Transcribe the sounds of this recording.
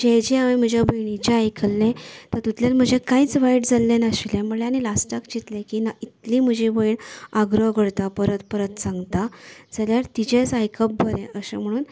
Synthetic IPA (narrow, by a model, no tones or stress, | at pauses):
d͡ʑed͡ʑiaʋem̤əd͡ʑjabəjɳit͡ɕeajkʰəlːẽt̪əɾt̪ut̪ljalm̤əd͡ʑekaiːt͡sʋaiʈd͡zalːenəɕilẽm̤əleañilasʈakd͡ʑit̪lẽkinait̪lĩːm̤əd͡ʑibəjɳaɡɾəɡʱəɽt̪apəɾət̪pəɾət̪sãŋɡt̪ad͡zəljaɾt̪id͡ʑet͡sajkʰəp̚bəɾẽʔəɕḛm̤əɽ̃uːn